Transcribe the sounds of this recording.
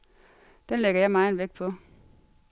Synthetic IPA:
d̥enleɡ̥ɐjɑ̈ɪmɑ̈ɪn̩ʋeɡ̥̚pʰɒ̽

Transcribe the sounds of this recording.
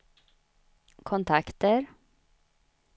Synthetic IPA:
kʰɔnt̪ʰakt̪əɾ

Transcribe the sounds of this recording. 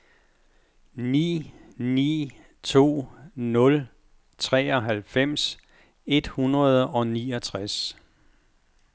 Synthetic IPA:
nḭːnḭː | t͡sʰo̝̰ːnɔ̽l | t͡sʰʁɛ̰ːɒ̽ɦælfem̰s | e̝d̥hunʁɐð̞ˠɒ̽niːɒt͡sʰʁas

